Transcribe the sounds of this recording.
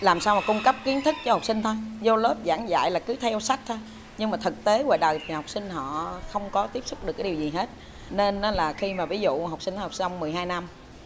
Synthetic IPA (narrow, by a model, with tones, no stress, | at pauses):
laː˨˩msaː˧wmaː˨˩kʊ˧ŋ͡mkə˦˥p̚ki˨˦ənt̪ʰɨ˦˥k̚t͡ɕɔ˧ha˨˩k͡p̚sï˧ŋ̟t̪ʰo˧jzo˧ləː˦˥p̚za̰ː˧˩ŋza̰ː˧˨jlaː˨˩kɨ˨˦t̪ʰɛ˧wsa˦˥k̚t̪ʰo˧j | ɲɨ˧ŋmaː˨˩t̪ʰɨ˨˩k̚t̪e˨˦ɣwa̰ː˧˨jɗə˨˩jt̪ʰi˨˩ha˨˩wk͡p̚sï˧ŋ̟ɦɔ̰˧˨xə˧wŋ͡mkɔ˨˦t̪i˦˥əp̚sʊ˦˥k͡p̚ɨ˨˩kːi˨˩wzi˨˩ɦe˦˥t̚ | ne˧nːɔ˨˦laː˨˩xi˧maː˨˩vi˨˦zṵ˧˨ɦa˨˩wk͡p̚si˧n˧˦hk͡p̚swŋ͡mmɨ˨˩əjɦaː˧jna˧m